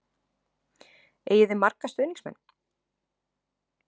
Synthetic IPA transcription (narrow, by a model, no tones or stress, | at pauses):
eːjɪðɪmarkast̪ʏːniŋsmɛ̰nː